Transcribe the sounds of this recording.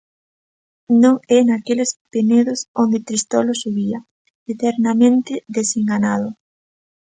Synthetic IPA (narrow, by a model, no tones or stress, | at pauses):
nõŋɛnakelespeneðʊsond̪et̪ɾist̪ɔlʊsuβiɐ | et̪eɾnamẽnt̪ɪðeseŋɡanaðʊ